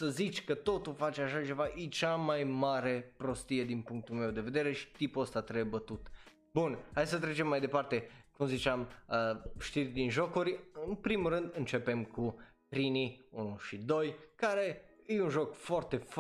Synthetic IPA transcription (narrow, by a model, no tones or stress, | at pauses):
səzit͡ʃʲkət̪o̞t̪ulfat͡ʃeaʃat͡ʃe̞vaʔit͡ʃamajmaɾe̞pɾo̞st̪ije̞d̪inpuŋk̚t̪ulme̞wd̪e̞ve̞d̪e̞ɾe̞ʃi̥t̪ipuəst̪at̪ɾebət̪ut̪ | bunhajs̬ət̪ɾet͡ʃe̞mːajd̪e̞part̪ekumzit͡ʃeaməʃt̪irʲd̪inʒo̞kuɾʲɨnpɾimulrɨnd̪ɨnt͡ʃe̞pe̞mku | pɾiniunuʃid̪o̞jkaɾe̞ejunʒo̞kfoart̪e̞f